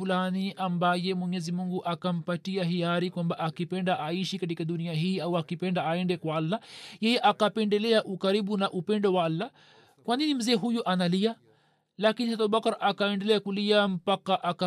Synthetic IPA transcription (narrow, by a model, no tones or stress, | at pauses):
ulaniʔambajɛmwɛɲɛzimuŋɡuʔakam̩patiaɦiaɾikwambaʔakipɛndaʔaiʃikat̬ikaɗuniaɦiːawakipɛndaaɛndɛkwaalːajɛjɛʔakapɛndɛlɛaʔukaɾiɓunaʔupɛndɔwaalːa | kwaninim̩zɛːɦujuʔanalia | lakiniatauɓakaɾakaɛndɛlɛakuliam̩pakaʔaka